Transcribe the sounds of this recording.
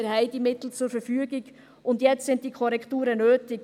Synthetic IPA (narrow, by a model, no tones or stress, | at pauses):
əɾhaɪdimɪtl̩t͡sʊɾfɛɾfyːəɡɪɡ | ʔʊndjɛt͡stsɪnt̚d̥iːkʰɔɾɛktuːɾənøːtɪɡ